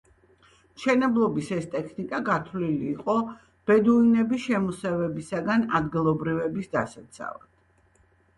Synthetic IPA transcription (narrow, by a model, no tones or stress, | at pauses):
mʃɛnɛblˠɔbisɛst̪ʼɛkʰnikʼaɡat̪ʰvliliːqʼɔ | b̥ɛd̪uinɛbiʃɛmusɛvɛbisaɡanad̪ɡilˠɔbɾivɛbisd̪asat̪sʰa̰va̰d̪̥